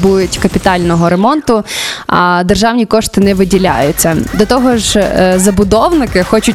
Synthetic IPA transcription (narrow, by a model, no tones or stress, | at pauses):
bujʊtʲkɐpʲit̪ɑlʲnɔɦɔɾemɔnt̪ʊɐd̪erʒɑwnʲikɔʃt̪ɪnɛʋɪdʲilʲa̰jʊt͡sʲːɐd̪ɔt̪ɔɦɔʒzɐbʊd̪ɔwnɪkɪxɔt͡ʃʊ